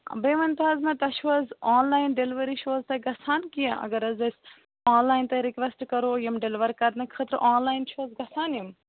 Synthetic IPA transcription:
beːʋɐnt̪ɐzmɐ̃t̪ɐʃʰuɐzaːnlaːjnɖeliʋɐɾiʃʰoːzt̪ɐjɡɐsʰaːnkijɐʔɐ̰ɡɐɾɐzɐsʲ | aːnlaːjnt̪ɐjɾikʋesʈkɐɾoːjimɖelʋɐɾkɐt̪nɐkʰət̪ɾʔaːnlaːjnt͡ʃʰoːzɡɐsaːnjim

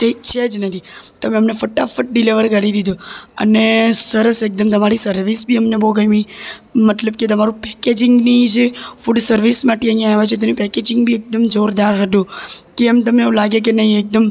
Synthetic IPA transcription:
t̪et͡ʃʰed͡ʒnənit̪əmẽəmnefəʈːafəʈ̚ɖiliʋəɾkəɾiɾid̪ũə̰nesəɾəsek̚d̪əmt̪əmaɾisəɾʋisbʱiəmneboɡəjmimət̪ləb̚ket̪əmaɾũpɛked͡ʒɪŋɡnid͡ʒefuɖsəɾʋismaʈiəɦijãɦeʋat͡ʃʰot̪ənipɛked͡ʒɪ̃ŋɡ̚bʱiek̚d̪əmd͡ʒoɾd̪aɾɦəd̪ũkeəmet̪əmeũlaɡjek̬enəĩek̚d̪əm

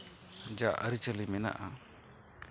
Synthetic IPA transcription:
d͡ʒaʔəɾit͡ʃəlimɛna̰ʔa

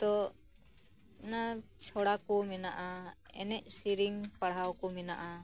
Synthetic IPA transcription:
t̪ɔ | nat͡ʃʰɔɽakɔmɛnaʔaɛ̰nɛʔ̚siɾiŋpaɽɦawkɔmɛna̰ʔa

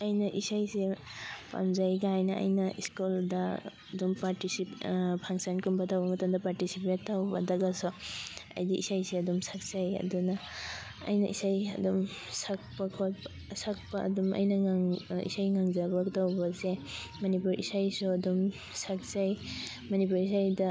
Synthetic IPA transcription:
ajnɐʔisajsepa̰mzajɡaajnɐʔa̰jnɐʔiskulda | dumpaɾtisipʰaŋsankumbatawbɐmɐtamdapaɾtisipetːawbɐdaɡasɔɐ̰jdiʔḭsajseɐdumsak̚sajɐ̰duna̰ː | jnɐʔḭsajɐ̰dɔmsak̚pakʰɔ | sak̚paʔɐ̰dumʔɐ̰jnɐaŋḭsajŋaŋzabaɡtawbɐse | mɐnipuɾʔḭsajsuɐdum | sak̚saj | mɐnip̬uɾis̬ajdɐ

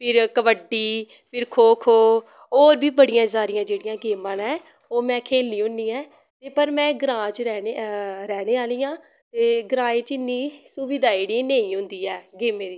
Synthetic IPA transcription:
pʰɪɾkəʋəɖiː | pʰɪɾkʰoːkʰoː | oːɾbiːbəɽɪjãːɪsaːɾɪjãːd͡ʒeːɽɪjãːɡeːmãːnɛː | oːmɛ̃ːkʰeːlːiːɦʊ̃nd̪iːɛː | t̪eːpəɾmɛ̃ːɡɾãːt͡ʃɾɛːneɾɛːneːaːliːãː | t̪eːɡɾaːeːt͡ʃɪnːĩːsuʋɪd̪aːiːɽiːneːĩːɦʊ̃nd̪iːɛːɡeːmẽːd̪iː

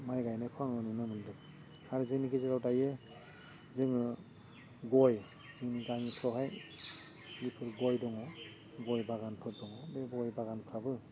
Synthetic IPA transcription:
majɡajnajpʰɔaŋɯnunɯmɯndɯk | haɾzɯŋniɡezeɾawdaje | zɯŋɯ | ɡɔj | zɯŋniɡaŋitʰɔɦaj | lipʰɯɾɡɔjdɔŋɔ | ɡɔjbaɡanpʰɯɾdɔŋɔbebɔjbaɡanpʰɾabɯ

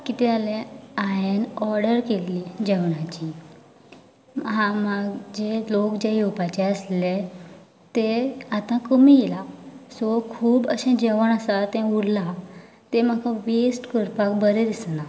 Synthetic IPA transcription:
kit̪ɛalẽajenɔɾɽəɾkelːid͡ʑɛʋɳat͡ɕi | ɦãmaɡd͡ʑelokd͡ʑeɦupat͡ɕɛəsle | t̪eat̪ãkəmielasɔkʰuːbə̰ɕɛ̃d͡ʑɛʋəɽasat̪ɛ̃uɽla | t̪emakʰãʋesʈkəɾpakbəɾed̪isna

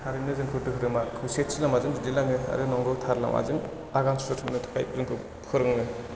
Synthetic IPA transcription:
tʰaɾɯmnɯzɯŋkʰɯtɯɦɯɾɯmakʰɯset̚silamazɯŋzudilaŋɯa̰ɾɯnɔŋɡɯwtʰaɾla̰mʔa̰zɯŋ | aɡaŋsɾɔtʰɯmnɯtʰḁka̰jpzɯŋkʰɯ | kʰɯɾɯŋɯ

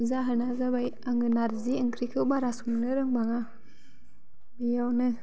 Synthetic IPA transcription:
zaɦɯnazabajaŋɯnaɾziɯŋkʰɾikʰɯwbaɾasuŋnɯɾɯŋbaŋa | bijawnɯ

